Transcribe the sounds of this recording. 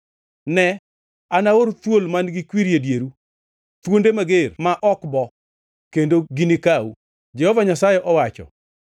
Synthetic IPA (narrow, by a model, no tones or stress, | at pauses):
nɛ | anaoɾt̪wolmanɡɪkwiɾjedjeɾu | t̪wondemaɡermaʔɔkbɔ | kendoɡinikau | d͡ʒɛhɔvaɲasajɛʔɔwat͡ʃɔ̰